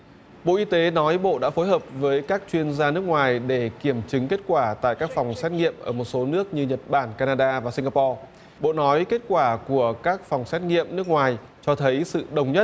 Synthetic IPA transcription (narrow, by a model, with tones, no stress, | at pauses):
ɓo̰˧˨ʔi˧t̪e˨˦nɔ˨˦jɓo̰˧˨ɗa̰ː˧˥fo˨˦jɦəː˨˩p̚vəː˨˦jkaː˦˥k̚t͡ɕwi˧ənzaː˧nɨ˦˥ək̚ŋwaː˨˩jɗe˧˩ki˧˩əmt͡ɕɨ˨˦ŋke˦˥t̚kwaː˧˩t̪a̰ː˧˨jkaː˦˥k̚fa˨˩wŋ͡msɛ˦˥t̚ŋḭ˧˨əmʔəː˧˩mo˨˩t̚so˨˦nɨ˦˥ək̚ɲɨ˧ɲə˨˩t̚ɓaː˧˩nkaː˧naː˧ɗaː˧vaː˨˩si˧ŋaː˧pɔ˧ | ɓo̰˧˨nɔ˨˦jke˦˥t̚kwaː˧˩ku˧˩əkaː˦˥k̚fɔ˨˩wŋ͡msɛ˦˥t̚ŋḭ˧˨əmnɨ˦˥ək̚ŋwaː˨˩j | t͡ɕɔ˧t̪ʰə˨˦jsɨ̰˧˨ɗə˨˩wŋ͡mɲə˦˥t̚